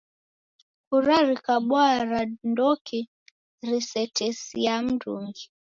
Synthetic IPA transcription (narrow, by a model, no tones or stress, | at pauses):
kuɾaɾikaɓwaɾandɔkʰi | ɾisɛtʰɛsiam̩duŋɡi